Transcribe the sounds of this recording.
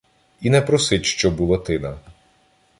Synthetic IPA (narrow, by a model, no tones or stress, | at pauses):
inɛpɾɔsɪtʲʃt͡ʃɔbulˠɔt̪ɪnɐ